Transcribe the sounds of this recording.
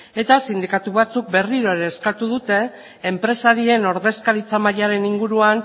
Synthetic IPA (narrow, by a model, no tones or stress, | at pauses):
e̞t̪asind̪ikat̪uβ̞at͡suk̚be̞riɾo̞eɾe̞ːskat̪uð̞ut̪e̞ː | mpɾe̞saɾie̞no̞ɾðe̞skaɾit͡samajaɾe̞niŋɡuɾuan